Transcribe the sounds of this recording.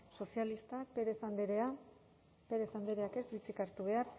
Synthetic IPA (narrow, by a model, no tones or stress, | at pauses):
so̞sialist̪akpeɾeθand̪eɾea | pe̞ɾeθand̪eɾe̞ake̞sbit͡sikaɾt̪uβ̞e̞aɾ